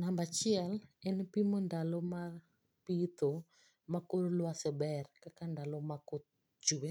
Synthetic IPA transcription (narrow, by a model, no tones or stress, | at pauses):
nambat͡ʃɪɛlɛnpimondalomar | pit̪o | makoɾolwasɛbɛrkakandalomakot̪̚ | d͡ʒuwe